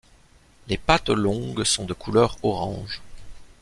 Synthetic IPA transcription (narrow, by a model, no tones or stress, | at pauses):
lepat̪lɔ̃ɡsɔ̃d̪əkʰulœʁɔʁɑ̃ʒ